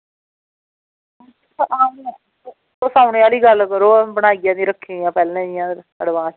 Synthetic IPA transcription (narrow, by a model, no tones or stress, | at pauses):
ʔaːm | oːsaːʊneːaːliːɡəlkəɾoːbəɽ̃aːiɡjãːd̪ĩːɾəkʰːẽjãːpɛːlnɛ̃ːɪjãː | əɽʋãː